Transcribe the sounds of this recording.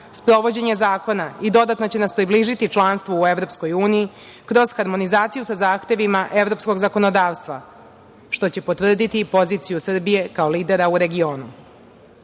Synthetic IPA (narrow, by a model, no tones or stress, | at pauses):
spɾo̞ʋo̞d͡ʑe̞ɲezaːko̞naid̪o̞d̪at̪no̞t͡ɕe̞naspɾibliːʒit̪it͡ʃlˠaːnst̪ʋoue̞ʋɾo̞ːpsko̞juːniji | kɾo̞z̥xaɾmo̞nizaːt̪sijusazaːxt̪e̞ʋimaʔe̞ʋɾo̞psko̞ɡzako̞no̞d̪aːʋst̪ʋa | ʃt̪o̞t͡ɕe̞pot̪ʋr̩d̪it̪ipo̞ziːt̪sijusr̩bije̞kao̞liːd̪e̞ɾauɾe̞ɡio̞ːnu